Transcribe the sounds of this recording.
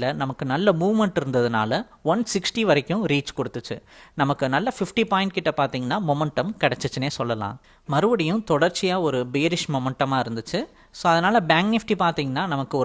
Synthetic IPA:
lɐnɐmɐkːɯnɐlːɐmuːʋmɛɳʈɪɾɯnd̪ɐðɯna̰ːlɐ | ʋɐnsɪksʈiʋɐɾɐkʲːʊ̃ɾiːt͡ʃkɔɽɯt̪ːɯt͡ʃːɯ̰nɐmɐkːɯnɐlːɐfɪfʈipaːjɪ̃ɳʈkɪʈːɐpaːɾt̪iːŋɡɐnːaːmɔmɛɳʈːɐmkɐɽɛt͡ʃːɯt͡ʃːɯneːsɔlːɐlã̰ː | mɐɾɯʋɐɽɪjʊ̃t̪ɔɽɐɾt͡ʃɪjaːɔɾɯbejɐɾɪʂmɔmɐɳʈːɐmaːɪɾɯnd̪ɯt͡ʃːɯ | soːɐðɐnaːlɐbaːŋknɪfʈipaːɾt̪iːŋɡɐnːaːnɐmɐkːɯɔ

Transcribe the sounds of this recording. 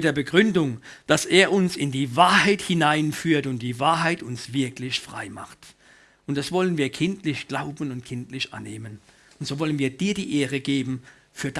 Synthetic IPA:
d̥eːɐbəɡʁʏndʊŋd̥aseːɐʔʊnsɪndiːvaːɐhaɪthɪnaɪnfyːɐtʊnt̚d̥iːvaːɐɦaɪtʊnsv̥ɪɐklɪçfʁ̥a̰ɪma̰χt | ʔʊnt̚d̥asv̥ɔlənviːɐkʰɪntlɪçɡ̥laʊbn̩ʊnt̚kʰɪntlɪçʔa̰neːmən | ʊntz̥oːvɔlənviːɐd̥iːɐdiːʔeːʁəɡeːbm̩ | fyːɐd

